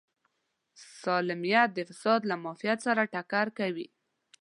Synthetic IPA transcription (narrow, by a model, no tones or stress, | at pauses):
sɑlɪmijat̪̚d̪əfɪsɑd̪lamɑfijat̪saɾaʈakaɾkawi